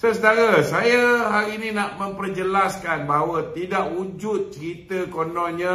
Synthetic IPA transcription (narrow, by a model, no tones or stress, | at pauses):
səsədaɾasajaɦaɾiːnĩnaʔmə̃mpərd͡ʒəlaskanbaɦawat̪idaʔhud͡ʒʊt̪̚t͡ʃəɾit̪əkonɔnɲã